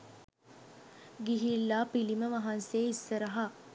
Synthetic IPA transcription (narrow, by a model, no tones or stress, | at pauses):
ɡiɦilːaːpiliməʋɐɦanseːisːəɾəɦa